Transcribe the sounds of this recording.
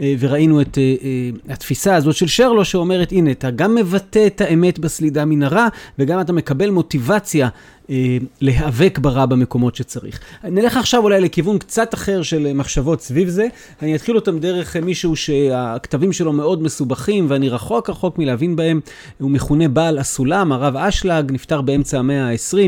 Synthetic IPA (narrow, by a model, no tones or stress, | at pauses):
ve̞ʁainuetehatfisaːzo̞tʃe̞lʃeʁlo̞ʃeo̞me̞ʁe̞tine̞ataɡamːe̞vate̞ːthaeme̞tbaslidaminaʁaveɡamat̬ame̞kabe̞lmo̞tivat͡sja | le̞ɦave̞kbaʁabame̞ko̞mo̞tʃet͡saʁḭχnileχaχʃavulajle̞kivunkt͡sataχe̞ʁʃelmaχʃavo̞tsvivze̞ | anijat̪χilo̞tamde̞ʁe̞χmiʃuuʃe̞aktavimʃe̞lo̞me̞o̞dme̞subaχimveaniʁaχo̞kʁaχo̞kmileavinbae̞m | humeχune̞baːlasulamaʁavaʃlaɡniftaʁbee̞mt͡saːme̞aesʁim